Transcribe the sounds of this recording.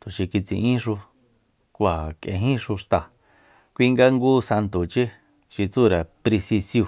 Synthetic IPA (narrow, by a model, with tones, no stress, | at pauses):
t̪u˨ʃi˧ki˧t͡sḭ̃˧ʔĩ˦ʂu˧ | kʷa˨kḛ̃˧ɦĩ˦ʂu˧ʂt̪a˧˨ | kʷi˧ŋɡa˧ŋɡuː˦sa˧nt̪u˨t͡ʃi˦ | ʃi˧t͡su˦˨ɾa˨pɾi˧si˧sju˧